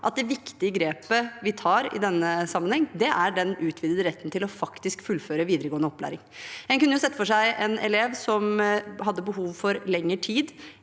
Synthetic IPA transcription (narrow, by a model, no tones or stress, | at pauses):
ʔɑt̪̚d̪ɛʋɪkt̪ɪəɡɾeːpəʋɪt̪ʰɑːɾɪ̰d̪ɛnːəsɑmːənhɛŋːd̪ɛʔæɖɛnʉːt̪ʰʋiːd̪əd̪əɾɛt̪ːənt̪ɪlɔfɑkt̪ɪskfʉlːføːɾəʋiːd̪ɾəɡoːnəɔpːlæ̰ːɾɪŋɛnkʉnːəjʊsɛt̪ːəfɔʂæɪʔɛnɛleːʋsɔmɦɑd̪ːəbəɦuːʋfɔɾlɛŋːəʈʰiːd̪